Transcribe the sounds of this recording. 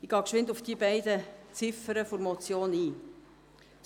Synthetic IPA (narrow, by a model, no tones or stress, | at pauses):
iɡ̥ɑːkʃʋɪnd̪ufd̥ibɛɪd̪ət͡sɪfəɾəfoɾmɔt͡sjoːniː